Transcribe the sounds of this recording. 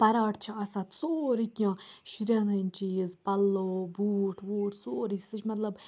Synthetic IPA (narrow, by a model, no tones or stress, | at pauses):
pɐɾaːʈt͡ʃʰiɐsaːt̪t͡soːɾikʲjãːʃiɾjaːnɐnʲt͡ʃiːzpɐlːoːbuːʈʰʋuːʈʰsoːɾisɨt͡ʃʰmɐt̪lɐb